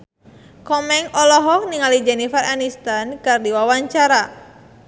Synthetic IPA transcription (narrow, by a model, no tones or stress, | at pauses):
kɔmɛŋɔlɔɦɔk̚niŋalid͡ʒɛnifaranist̪ankardiwawaɲt͡ʃaɾa